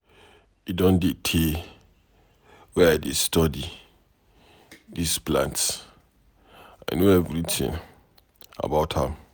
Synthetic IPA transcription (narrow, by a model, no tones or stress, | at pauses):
idɔ̃ndetʰe | wɛajdestɔdi | displãnts | aɪnoɛvɾitʰɪ̰̃n | a̰baʊthã̰m